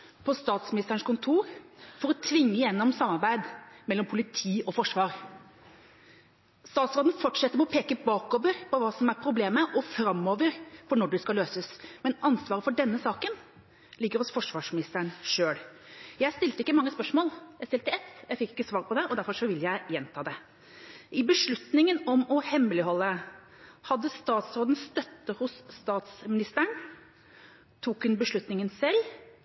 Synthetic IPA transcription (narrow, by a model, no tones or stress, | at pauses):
pʰɔst̪ɑːt̪smɪnɪst̪əɾəɳʂkʰʊnt̪ʰuːɾfɔɾɔt̪ʰʋɪŋːəɪjɛnːɔmsɑmːɑɾbæɪd̪mɛlːɔmpʰʊlɪt̪ʰiːɔfɔʂʋɑːɾ | st̪ɑːt̪sɾoːd̪n̩fɔʈʂɛt̪ːəɾmɛɔpʰeːkəbɑːkoːʋəɾpʰɔʋɑːsɔmæɾpʰɾʊbleːməʔɔfɾɑmːoːʋəɾpʰɔnɔɖɛskɑløːsəsmɛnɑnsʋɑːɾəfɔɖɛnːəsɑːkən | lɪɡːəɾɔsfɔʂʋɑːʂmɪnɪst̪əɾəɳʂøːɽjæɪst̪ɪlt̪əɪkːəmɑŋːəspœʂmoːljæɪst̪ɪlt̪əɛt̪ːjæɪfɪkːɪkːəsʋɑːɾpʰɔd̪ɛʔɔd̪æɾfɔʂɔʋɪləjæɪjɛnt̪ʰɑːd̪ɛ | ʔɪbəʂɭʉt̪nɪŋənɔmɔhɛmːlɪhɔlːə | hɑd̪ːəst̪ɑːt̪sɾoːd̪n̩st̪œt̪ːəhʊsːt̪ɑːt̪smɪnɪst̪əɳ | t̪ʰuːkhʉnbəʂɭʉt̪nɪŋənsɛlː